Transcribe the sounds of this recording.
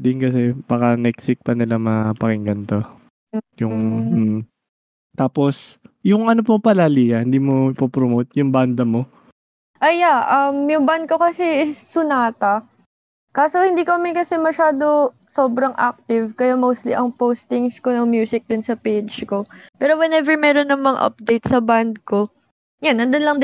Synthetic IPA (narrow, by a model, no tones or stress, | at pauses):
d̪ɪnkɐsɛbakɐnɛksɪk̚pɐnɪlamɐpɐkɪŋɡɐnt̪o | jʊŋ̩ | t̪aːposjʊŋʔɐnopopɐlaliːjɐhɪnd̪iːmoɪpopɾomot̪̚jʊŋband̪ɐmo̞ | ʔɐjaʔɐmjʊŋband̪̚ko̞kɐsɛɪːʊnaːt̪ɐ | kaːsohɪnd̪iːkoɐmɪkɐsɛmɐʃaːd̪o̞ | soːbɾɐŋʔa̰k̚t̪ɪvkɐjamowst̪liʔɐŋpowst̪ɪŋskonɐŋmjuːsɪk̚d̪ʊnsɐpejd͡ʒko̞pɛːɾowɛnɛvɛɹmɛːɾonːɐŋmɐŋʔɐ̰p̚d̪ejt̪sɐband̪̚ko̞ | janːɐnd̪onlɐŋd̪